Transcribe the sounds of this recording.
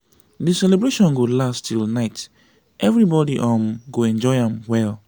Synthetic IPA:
disɛlebɹeʃɔ̃nɡolastilnaɪt | ʔɛvɹibɔdiʔɔ̃mɡoɛ̃nd͡ʒɔɪãmwɛl

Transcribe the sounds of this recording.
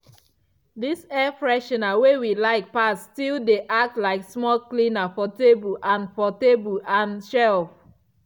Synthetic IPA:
disɛfɹɛʃɔ̃nawewilaɪk̚pastildeʔak̚tlaɪksmɔlklĩnafɔtebuʔãnfɔtebuʔãnʃɛlf

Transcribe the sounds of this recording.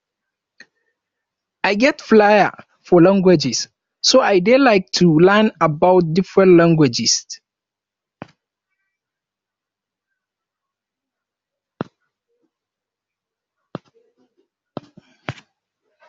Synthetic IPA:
ʔajɡɛtflaja̰ | fɔlãŋɡwɛd͡ʒɪs | soʔajdɛlaɪk̚tʰulɛnabawt̚dɪfɹɛ̃ntlãŋɡwɛd͡ʒɪs

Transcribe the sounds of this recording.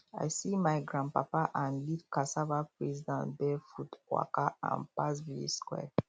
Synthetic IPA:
a̰jsimajɡɹãn̚papaʔãnlidkasavapɹɛzidãntbɛfutkwa̰kaã̰npasvilḭskwɛ̰

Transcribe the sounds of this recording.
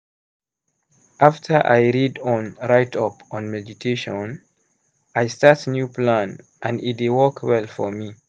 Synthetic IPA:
ʔaftʰəʔa̰jɹidɔ̃nɹaɪtʰʌpɔ̃nmɛditʰeʃɔ̃n | ajstatnjuplãn | ʔãnit̚dewɔkʰwɛlfɔmi

